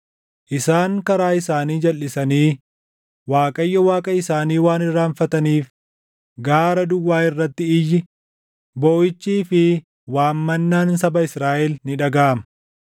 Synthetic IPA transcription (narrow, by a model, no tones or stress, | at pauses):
ʔɪsaːŋkɐɾaːɪsaːniːd͡ʒɐlːɪsɐniː | waːkʼɐjːɐwaːkʼɐɪsaːniːwaːnɪrːaːɱfɐt̪ɐniːf | ɡaːɾɐd̪ʊwːaːɪrːɐt̪ːɪɪjːɪ | boːjɪt͡ʃːiːfɪ | waːmːɐnːaːnsɐbɐɪsɾaːʔɛlnɪᶑɐɡaːɐmɐ̥